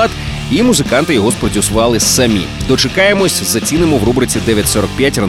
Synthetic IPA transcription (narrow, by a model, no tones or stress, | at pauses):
t̪ | imuzɪkɑnt̪ɪjɔɦɔspɾɔtʲiwsʊʋɑlˠɪsɐmʲḭd̪ɔt͡ʃekɑjemɔsʲzɐt͡sʲinɪmɔwrubɾɪt͡sʲid̪ɛʋʲjɐtʲsɔɾɔk̚pʲjatʲrɐ